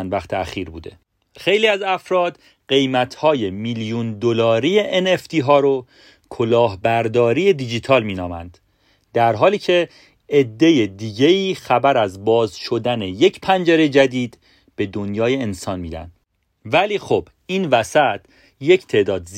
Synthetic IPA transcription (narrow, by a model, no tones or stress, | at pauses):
nd̪væχt̪ʰeæxiːɾbṵːd̪e̞̰ | xe̞jliːæzæfɾɒːd̪̥ | ɢe̞jmæt̪ʰhɒːje̞miljund̪olɒːɾijeʔeneft̪ʰiːɦɒːɾo | kʰolɒːɦbæɾd̪ɒːɾiːje̞d̪id͡ʒiːt̪ʰɒːlmiːnɒːmæ̰nd̪̥ | d̪æɾɦɒːliːcʰe̞ | ed̪ːe̞jed̪iːɟeiːxæbæɾæzbɒːzʃo̞d̪æne̞je̞cʰpʰænd͡ʒeɾe̞d͡ʒæd̪iːd̪ | b̥e̞d̪o̞njɒːje̞ːnsɒːnmiːd̪æ̰nd̪̥ | væliːxob̥ | iːnvæsæt̪ʰ | je̞cʰt̪ʰe̞ʔd̪ɒːd̪z